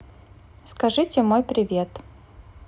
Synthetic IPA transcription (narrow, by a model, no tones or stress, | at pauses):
skɐʐɨtʲɪmojpɾʲɪvʲe̞t̪